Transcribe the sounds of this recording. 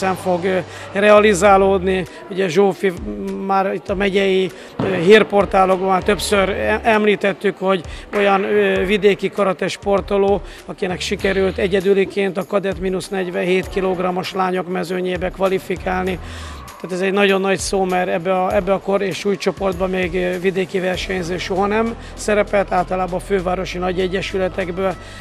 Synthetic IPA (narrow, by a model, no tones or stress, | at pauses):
ɛɱfo̞ɡ | rɛɒlizaːloːd̪ni | uɟɛʒoːfimaːɾit̪ːɒmɛɟɛji | ɦeːrpo̞rt̪aːlo̞ɡbɒmaːrt̪øpsøɾʔɛmliːt̪ɛt̪ːykho̞ɟo̞jɒnvid̪eːkikɒɾɒt̪ɛʃpo̞rt̪o̞loː | ɒkinɛkʃikɛɾylt̪ɛɟɛd̪ylikeːnt̪ɒkɒd̪ɛt̪minusnɛɟvɛheːt̪kiloɡrɒmo̞ʃlaːɲo̞kmɛzøːɲeːbɛkʋɒlifikaːlni | t̪aːt̪ɛzɛɟnɒɟo̞nːɒɟsoːmɛɾɛbːɛɒɛbːɛɒkoɾeːʃuːjt͡ʃo̞po̞rd̪̚bɒmeːɡvid̪eːkivɛrʃɛɲzeːʃo̞ɦɒnɛm | sɛɾɛpɛlt̪aːlt̪ɒlaːbɒːføːvaːɾo̞ʃinɒɟɛɟːɛʃylɛt̪ɛɡbøːl